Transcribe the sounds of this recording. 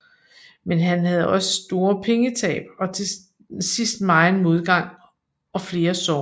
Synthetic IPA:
menɦænhæð̞̩ˠɒ̽sə̥sd̥o̝ːɐpʰeŋət͡sʰɛ̰ːb̥ɒ̽t͡sʰe̝ | sisd̥mɑ̈ɪnmo̝ð̞ˠɡ̥ɑ̈ŋ̰ | ɒ̽fle̝ːɐsɒ

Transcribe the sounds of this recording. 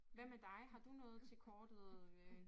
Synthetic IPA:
ʋæm̰æd̥ɑ̈ɪɦɑ̈d̥unɔ̽ːð̞̩ˠt͡sʰe̝lkʰɒːd̥əð̩ˠø

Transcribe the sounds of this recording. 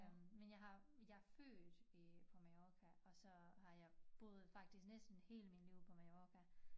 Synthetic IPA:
menjɑ̈ɦɑ̈jɑ̈ɐfø̰ːd̥pʰɒ̽mɑ̈jɒːkʰæɒ̽sɒ̽ɦɑ̈jɑ̈ɪb̥o̝ːð̩ˠfɑ̈ɡ̥d̥isɡ̥nesd̥n̩he̝̰ːləminliʊ̰pʰɒ̽mɑ̈jɒːkʰæ

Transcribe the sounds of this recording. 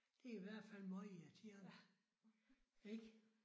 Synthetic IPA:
d̥e̝iʋæɐ̰d̥fæl̰mɒɪiɑt͡sʰiɐd̥ | eɡ̥

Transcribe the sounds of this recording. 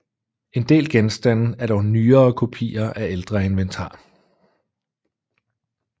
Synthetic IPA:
e̝nd̥e̝̰ːlɡ̥ensd̥æn̰n̩æɐɾ̥ɒʊnyːɐːkʰo̝pʰḭːɐʔæeld̥ʁɐe̝nʋent͡sʰɑ̰̈ː

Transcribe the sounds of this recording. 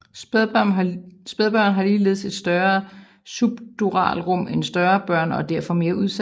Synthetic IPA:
sb̥eð̞ˠb̥ɶɐ̰nɦɑ̈liːle̝ðˠse̝d̥sd̥ɶɐ | sub̥d̥uʁɑ̰̈ːlʁɔ̽m̰ensd̥ɶɐːb̥ɶɐ̰nɒ̽d̥æɐ̰fɒ̽me̝ːɐʔuðˠsæ

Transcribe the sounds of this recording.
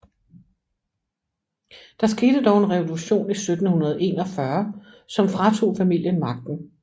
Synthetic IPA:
d̥ɑ̈sɡ̥e̝ːd̥əd̥ɒʊe̝nʁɛʋo̝luɕo̝̰ːnisød̥n̩hunɐð̞̩ˠe̝̰ːnɒ̽fɶɐ | sɒ̽mfʁɑ̈t͡sʰo̝̰ːfæmil̰jənmɑ̈ɡ̥̚d̥n̩

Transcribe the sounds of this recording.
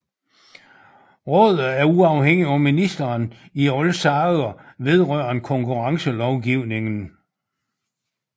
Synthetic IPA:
ʁɔ̽ð̞̰ˠð̩ˠæɐuɑ̈ʊheŋ̰iɒ̽minisd̥ɐːniɒlsɑ̈ð̩ˠɐʋe̝ð̞ˠʁœɐ̰ɐnkʰɒ̽ŋkʰuʁɑ̈ŋsəlɒʊɡ̥iʊ̰ne̝ŋn̩

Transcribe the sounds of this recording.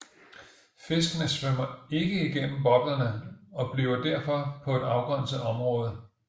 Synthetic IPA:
fe̝sɡ̥ənəsʋøm̰ɐe̝ɡ̥əiɡ̥en̰m̩b̥ɒ̽b̥lɐnəɒ̽b̥liːʊɐd̥æɐ̰fɒ̽pʰɒ̽e̝d̥ɑ̈ʊɡ̥ʁɶɐ̰n̩səɒ̽mʁɔ̽ːð̞ˠ

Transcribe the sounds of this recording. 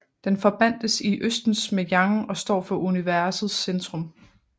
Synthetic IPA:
d̥enfɒ̽b̥æn̰d̥əsiʔøsd̥n̩smejɑ̈ŋɒ̽sd̥ɒ̰ːfɒ̽ʔuniʋæɐsð̩ˠsend̥ʁɔ̽m

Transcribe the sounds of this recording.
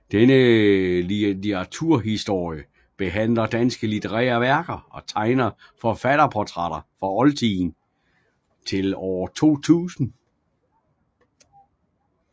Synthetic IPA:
d̥enə | ɑt͡sʰuɐ̰ɦisd̥o̝ɐ̰jə | b̥e̝ɦæn̰lɐd̥ænsɡ̥əlit͡sʰeʁɛ̰ːɐʋæɐɡ̥ɐɒ̽t͡sʰɑ̈ɪnɐ | fɒ̽fæɾ̥ɐpʰɒt͡sʰʁɑɾ̥ɐfʁɑ̈ɒ̽lt͡sʰiːn | t͡sʰe̝lɒʊɐt͡sʰo̝̰ːt͡sʰṵːsn̩

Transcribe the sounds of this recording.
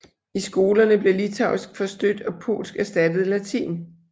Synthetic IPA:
isɡ̥o̝ːlɐnəb̥le̝lit͡sʰɑ̈ʊisɡ̥fɒ̽sd̥ød̥ɒ̽pʰo̝̰ːlsɡ̥æsd̥æd̥ð̞̩ˠlæt͡sʰḭːn

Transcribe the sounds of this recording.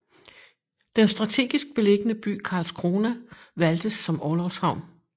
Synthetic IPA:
d̥ensd̥ʁɑ̈t͡sʰe̝̰ːɡ̥isɡ̥̚b̥e̝le̝ɡ̥ənəb̥y̰ːkʰɑ̈ːlskʰʁo̝ːnæʋæld̥əsːɒ̽mɒːlɒʊshɑ̈ʊ̰n

